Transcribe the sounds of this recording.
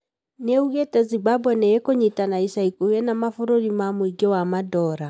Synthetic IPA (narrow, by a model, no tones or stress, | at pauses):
neuɣetɛzibabwɛneekoɲitanaisaikoɛnamafoɾoɾimamoiɡewamadɔːɾa